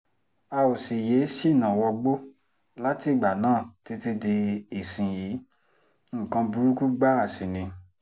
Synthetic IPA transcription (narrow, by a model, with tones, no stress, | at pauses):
a˧o˨si˨je˨˦ʃi˦˨nã˨wɔ˧ɡ͡bo˦ | la˦ti˦˨ɡ͡ba˨nãː˦˨ti˧˦ti˧de˧i˨sĩ˨ji˨˦ | ŋ̩˦˨kã˧bu˧ɾu˦ku˦ɡ͡ba˦a˦˨sĩ˨nĩ˧